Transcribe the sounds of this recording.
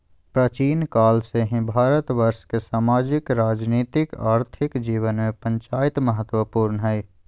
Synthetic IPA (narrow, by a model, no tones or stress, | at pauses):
pɾət͡ʃiːnkaːlseɦẽbʱaːɾət̪ʋəɾʃkesaːmaːd͡ʒɪkɾaːd͡ʒniːt̪ɪkaːɾt̪ʰɪkd͡ʒiːʋənmẽpə̃ɲt͡ʃaːɪt̪məɦət̪wəpuːɾnəɦɛj